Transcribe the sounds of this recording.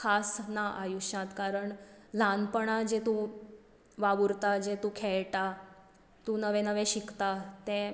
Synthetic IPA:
kʰasnaʔajuɕãt̪kaɾəɳlanpəɳad͡ʑet̪ũ | ʋaʋuɾt̪ad͡ʑet̪ũkʰeɭʈa | t̪ũnəʋɛ̃nəʋẽɕikt̪at̪ẽ

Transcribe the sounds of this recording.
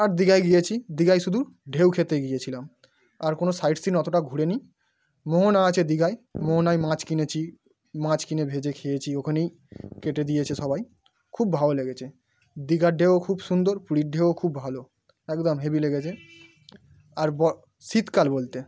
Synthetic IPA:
aɾd̪iɡajɡijet͡ɕʰid̪iɡajʃud̪ʱuɖʱewkʰet̪eɡijet͡ɕʰilam | aɾkonosajʈsinɔt̪oʈaɡʱuɽeni | moɦonaat͡ɕʰed̪iɡajmoɦonajmãt͡ɕkinet͡ɕʰi | mãt͡ɕkinebʱed͡ʑekʰejet͡ɕʰiokʰanej | keʈed̪ijet͡ɕʰeʃɔbaj | kʰubːʱaoleɡet͡ɕʰe | d̪iɡaɖʱewokʰubʃund̪oɾpuɽiʈ̚ɖʱeookʰubbʱalo | ɛkd̪ɔmɦebileɡet͡ɕʰe | aɾbɔ | sit̪kalbolt̪e

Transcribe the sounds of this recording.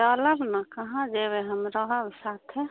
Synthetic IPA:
aləbnakəɦãd͡ʒebeɦəmɾəɦəbsaːt̪ʰe

